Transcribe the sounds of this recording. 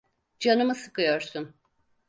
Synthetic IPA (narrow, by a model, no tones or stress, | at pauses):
d͡ʒanɯmɯsɯkɯjo̞ɾsun